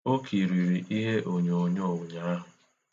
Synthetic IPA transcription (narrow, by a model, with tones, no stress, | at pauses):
o˦ki˨ɾi˨ɾi˨ʔi˦ɦe˦ʔo˨ɲ˨o˨ɲo˦˨ʊ˨ɲa˦a˦ɦʊ˨